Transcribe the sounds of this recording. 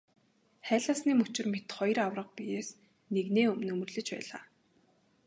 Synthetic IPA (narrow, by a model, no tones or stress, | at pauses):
χæːɮaːsniːmɵt͡ɕɪ̆rmet̪χɔjrawrə̆q̚pijeːs | neɣneːɵmɵ̆nɵmɵ̆rɮɘ̆t͡ɕpæ̰ːɮa̰ː